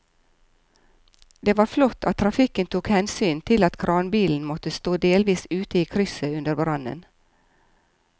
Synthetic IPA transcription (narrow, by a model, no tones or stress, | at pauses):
d̪eːʋɑːɾflɔt̪ʰːɑt̪ʰːɾɑfɪkənt̪ʰuːkhɛnsyːnt̪ʰɪlɑt̪kʰɾʔɑːnbiːln̩mɔt̪əst̪oːd̪eːlʋiːsʉːt̪əiːkʰɾʏsəʉnd̪əɾbɾɑnə̰n